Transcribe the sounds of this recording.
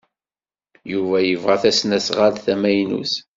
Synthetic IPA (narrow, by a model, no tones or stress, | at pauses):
juvæjəvʁaθæsnæsʁalθæmæjnṵθ